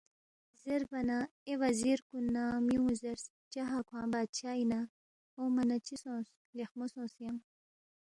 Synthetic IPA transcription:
zeɾbɐnaewaziɾkunːamiũzeɾs | t͡ʃaɦakʰwãːbaːd̪̚t͡ʃʰaina | omanat͡ʃisõːs | lexmosõːsjam

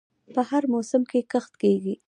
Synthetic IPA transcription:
pəhaɾmosəmkekəxt̪keɡi

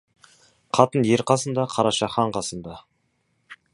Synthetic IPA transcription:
qʰɑt̪ənje̞ɾqɑsənd̪ɑqʰɑɾɑʃɑχɑɴqʰɑsənd̪ɑ

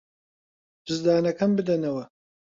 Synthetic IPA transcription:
d͡ʒɨzd̪aːnɐkɐmbɨd̪ɐnɐwɐ

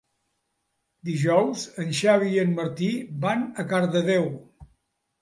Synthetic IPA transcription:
d̪iʒɔwzənʲʃaβiənməɾt̪ibanəkaɾðəðɛw

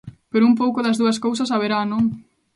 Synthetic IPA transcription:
peɾʊump̬owkʊðɐzðuɐs̬kows̬ɐsaβ̞eɾanõŋ

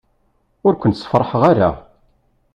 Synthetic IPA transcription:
ʊɾkʷənt̪sə̥fɾˤəħəʁaɾa̰

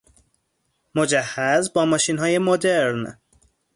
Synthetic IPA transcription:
mo̞d͡ʒæhːæzbɒːmɒːʃiːnɦɒːje̞mo̞d̪eɾn

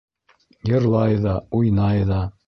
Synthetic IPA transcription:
jɤ̆ɾlˠɑjðɑujnɑjðɑ

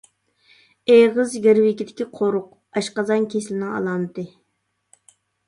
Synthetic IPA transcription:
eʁəzɡʲeɾwɪkʲid̪ɪkʲiqʰoɾʊq̚ | ɑʃqɑzɑnkʲʰeslɪnɪŋɑ̰lˠɑnd̪ɨ

